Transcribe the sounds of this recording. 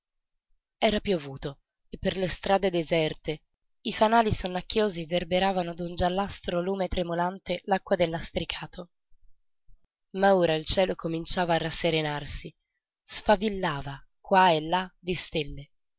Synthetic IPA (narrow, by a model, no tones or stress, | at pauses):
ɛːɾapjovuːt̪o | epːerlest̪ɾaːd̪ed̪ezɛrt̪e | ifanaːlisonːakːjoːziverbeɾaːvanod̪und͡ʒalːast̪ɾoluːmet̪ɾemolant̪elakːwad̪elːast̪ɾikʰaːt̪ʰo | maoːɾailt͡ʃɛːlokomint͡ʃaːvaːrːasːeɾenarsi | sfavilːaːva | kwaelːad̪ist̪elːe